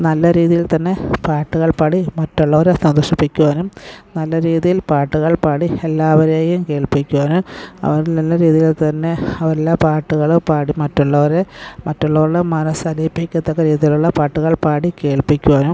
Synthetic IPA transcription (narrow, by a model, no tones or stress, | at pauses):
nɐlːɐɾiːðijilt̪ɐnːe̞paːʈːuɣɐɭpaːɽimɐtːoɭːɐʋɐɾesɐnd̪oʂipːikʲːuʋaːnumnɐlːɐɾiːðijilpaːʈːuɣɐɭpaːɽielːaːʋɐɾeːjumke̞ːɭpikʲːuʋaːnuɐ̰ʋɐɾnɐlːɐɾiːðijilt̪ɐnːe̞ɐʋɐɾelːapaːʈːuɣɐɭɨpaːɽimɐtːoɭːɐʋɐɾemɐtːoɭːɐʋuɭːɐmɐnɐsɐlipːikʲːɐt̪ːɐkːɐɾiːðijiluɭːɐpaːʈːuɣɐɭpaːɽike̞ːɭpikʲːuʋaːnum